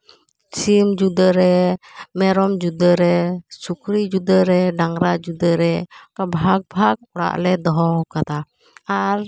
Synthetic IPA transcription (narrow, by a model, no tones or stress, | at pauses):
t͡ʃimd͡ʒud̪əɾɛmɛɾɔmd͡ʒud̪əɾɛsukɾid͡ʒud̪əɾɛɖaŋɾad͡ʒud̪əɾɛkabʱaɡ̚bʱak̚ɔɽa̰ʔlɛd̪ɔɦɔkat̪a | aɾ